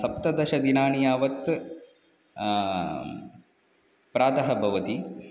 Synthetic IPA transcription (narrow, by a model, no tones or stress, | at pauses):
sɐpt̪ɐd̪ɐʃɐd̪inaːɳijaːʋɐt̪ | pɾaːd̪ɐɦɐbʱɐʋɐt̪i